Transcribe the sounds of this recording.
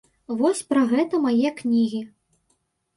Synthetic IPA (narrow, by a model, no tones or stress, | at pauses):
vɔsʲpɾaɣɛt̪ɐmajɛknʲiɣʲi